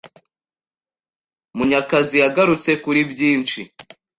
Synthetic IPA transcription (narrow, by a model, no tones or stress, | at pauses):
muɲakazijaɡaɾut͡se̞kuɾibjiːnt͡ʃi